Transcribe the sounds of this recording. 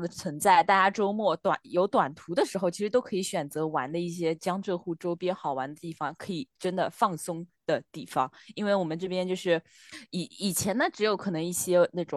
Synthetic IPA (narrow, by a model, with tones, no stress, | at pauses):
d̪ə˩t͡sʰwə˧˥nt͡sa˥˩ɪt̪a˥˩t͡ɕja˥ʈ͡ʂo˥ʊmwɔ˥˩t̪wa̰˨˩njo˧˥ʊt̪wa˨˩nt̪ʰu˧˥d̪ə˧ʂɻ̩˧˥xo˧ʊt͡ɕʰi˧˥ʂɻ̩˧˥t̪o˥kʰɤ˧˥i˧˥ɕɥɛ˨˩nt͡sɤ˧˥wa˧˥nd̪ə˧i˥˩ɕjɛ˥t͡ɕjɑ˥ŋʈ͡ʂɤ˥˧xu˥˩ʈ͡ʂo˥ʊpjɛ˥nxɑ˨˩ʊwa˧˥nd̪ə˧t̪i˥˩fɑ˨˩ŋkʰɤ˧˥i˨˩ʈ͡ʂə˥nd̪ə˨fɑ˥˩ŋsʊ˥ŋd̪̥ə˨t̪i˥˩fɑ˩˦ŋi˥nwe˥˩ɪwɔ˨˩mə˦nʈ͡ʂɤ˥˩pjɛ˥nt͡ɕjo˥˧ʊʂɻ̩˥˩ | i˨˩˥i˨˩t͡ɕʰjɛ˧˥nnə˨˧ʈ͡ʂɻ̩˧˥jo˧˥kʰɤ˨˩nɤ˧˥ŋi˥˩ɕjɛ˥na˥˩ʈ͡ʂʊ˨˩